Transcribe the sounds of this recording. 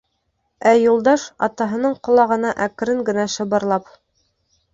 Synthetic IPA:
æjulˠd̪ɑʃɑ̰t̪ɑɦɤ̆nɤɴqŏlˠɑʁɤ̆nɑʔækɘ̆ɾɘŋɡɘ̆næʃɤ̆βɤ̆ɾlˠɑp

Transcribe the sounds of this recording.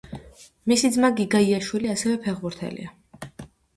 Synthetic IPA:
misid̪zmaɡiɡaiaʃwiliasɛvɛpʰɛʁbuɾt̪ʰɛ̰lḭa

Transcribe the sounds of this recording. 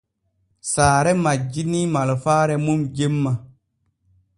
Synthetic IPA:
saːɾɛmad͡ʒinimalofaːɾɛmumd͡ʒemːa

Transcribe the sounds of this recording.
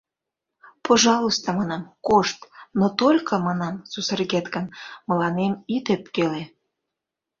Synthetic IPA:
pʰoʒɑlˠost̪ɑmɑnɑmkoʃt̪not̪olʲkʰɤ̆mɑnɑmsusərɣet̪ɡənmə̆lɑnemit̪epkele

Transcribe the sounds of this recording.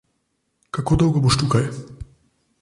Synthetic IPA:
kakod̪ɔwɡɔbuʃt̪ukaj

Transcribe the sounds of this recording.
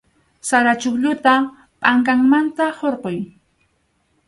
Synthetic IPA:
saɾat͡ʃʊkʎʊt̪a | pʼaŋkaŋmant̪ahoɾqoj

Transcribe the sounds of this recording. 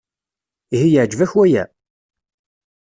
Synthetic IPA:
ihijəʕd͡ʒvæçwæjæ̰

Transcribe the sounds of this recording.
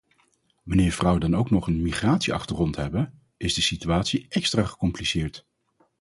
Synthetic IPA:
ʋɑnɪːɹv̥rʌwədɑnowknɔχənmiχraːtsiɑ̰χtərɔntɦɛbə | ɪzdəsityaːtsiʔɛkstraːχə̥kɔmplisɪːɹt

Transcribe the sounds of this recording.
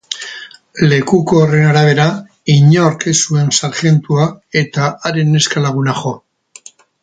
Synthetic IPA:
le̞kuko̞ːre̞naɾaβ̞e̞ɾa | iɲooɾke̞sue̞nsaɾʝe̞nt̪uae̞t̪aʔaɾe̞nːe̞skalaɣ̞unaʝo̞

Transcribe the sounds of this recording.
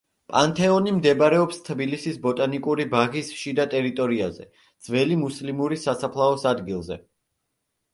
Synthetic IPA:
pʼant̪ʰɛɔnimd̪ɛbaɾɛɔpst̪ʰbilisisbɔt̪ʼanikʼuɾibaʁisʃid̪at̪ʼɛɾit̪ʼɔɾiazɛ̰ | d̪z̥vɛlimuslimuɾisasapʰlˠaɔsad̪ɡilˠzɛ̰

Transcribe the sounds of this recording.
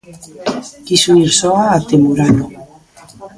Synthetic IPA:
kisuiɾsoaːt̪emuɾano

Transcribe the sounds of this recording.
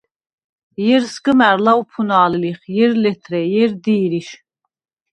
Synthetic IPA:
jɛɾsɡəmæɾlaupʰunaːliliχjɛɾlɛt̪ʰɾɛjɛɾd̪iːɾiʃ

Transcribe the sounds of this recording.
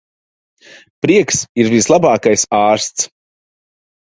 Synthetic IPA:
pɾiɛksiɾvislˠabaːkajsaːɾst̪s

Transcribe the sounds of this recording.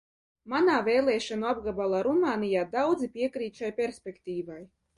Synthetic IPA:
manaːveːlˠɛːʃanuabɡabalˠaɾumaːnijaːd̪awd̪zipʲiɛkɾiːt̪ʃajpʲeɾsʲpʲekt̪ʲiːvaj

